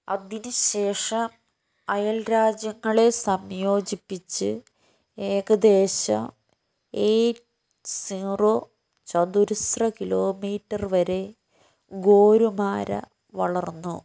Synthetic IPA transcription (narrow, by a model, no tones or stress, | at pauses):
ɐ̰ðinɨɕe̞ːʂɐm | ɐjɐlɾaːd͡ʑjɐŋːɐɭe̞sɐmjo̞ːd͡ʑipːit͡ɕːɨ | e̞ːɡɐd̪e̞ːɕɐ̰m | eːʈ | sinro | t͡ɕɐd̪uɾusrɐkilo̞ːmiːʈːɐrʋɐɾe̞ | ɡo̞ːɾumaːɾɐ̰ | ʋɐɭɐrnːu